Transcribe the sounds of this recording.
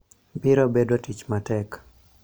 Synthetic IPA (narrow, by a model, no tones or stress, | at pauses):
bɪɾobedotit͡ʃmatɛk